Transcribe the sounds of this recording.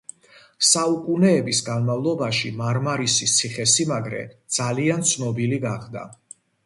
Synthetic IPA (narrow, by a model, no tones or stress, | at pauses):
saukʼunɛːbisɡanmavlˠɔbaʃimaɾmaɾisit̪sʰiχɛsimaɡɾɛ̰d̪z̥aliant̪sʰnɔbiliɡaχd̪a̰